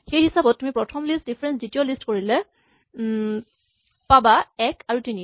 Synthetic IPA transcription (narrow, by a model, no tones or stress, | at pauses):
xejɦisabɔt̚tːumipɹɔtʰɔmlistdipʰɹɛnszitijolistkoɹilɛ | pabaɛkaɹutini